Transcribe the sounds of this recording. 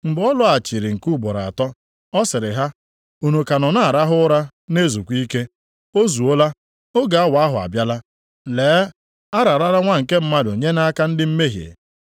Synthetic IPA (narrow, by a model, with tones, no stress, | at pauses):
m̩˨bɔ˦lʊ˦a˨t͡ʃi˨ɾi˨ŋ̩˨ku˦bɔ˨ɾa˨a̰˨tɔ˦ | ɔ˦sɪ˨ɾɪ˨ɦa˦ | u˨nu˨ka˨nɔ˨na˦˨a˨ɾa˦ɦʊ˦ɾa˦ | ne˦zu˨kʷi˦ke˦ | o˦zu˨o˦la˦ | o˦ɡa˨a˦wa˨a˦ɦʊ˨a̰˨bja˦la˦ | leː˨˦ | a˦ɾa˨ɾa˦ɾa˦ŋʷa˦ŋ̩˨ke˦m̩˦ma˦do˨ɲe˦na˦ka˦n̩˦dɪ˦m̩˦me˦ɦjḛ˨